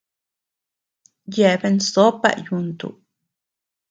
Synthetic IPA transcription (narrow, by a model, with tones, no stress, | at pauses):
je˨be˧nso˦pa̰˦˨ʔju˧nt̪ṵ˨